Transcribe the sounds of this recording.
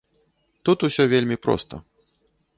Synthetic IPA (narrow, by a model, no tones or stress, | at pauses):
t̪ut̪usʲɔvʲelʲmʲipɾɔ̰st̪ə̰